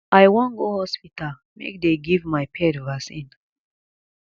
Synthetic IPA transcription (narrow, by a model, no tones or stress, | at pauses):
ajwɔ̃nɡohɔspital | mḛk̚d̪eɡivmajpʰɛdvasĩn